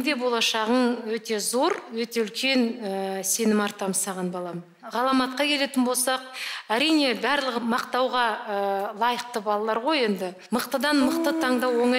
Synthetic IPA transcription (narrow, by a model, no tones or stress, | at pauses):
d̪e̞bo̞lˠɑʃɑʁənwɵt̪e̞zo̞ɾwɵt̪e̞ʏlkʲe̞nse̞nɪmɑɾt̪ɑməsɑʁɑnbɑlˠɑm | ʁɑlˠɑmɑt̪̚qɑkʲʰe̞le̞t̪ɪnbo̞lˠsɑqæɾijne̞bæɾlˠəʁəmɑqt̪ɑwʁɑəlˠɑjəqt̪əbɑlˠɑlˠɑɾʁo̞je̞nd̪ɪ | məqt̪əd̪ɑnməqt̪ət̪ʰɑɴd̪ɑwo̞ɴɑ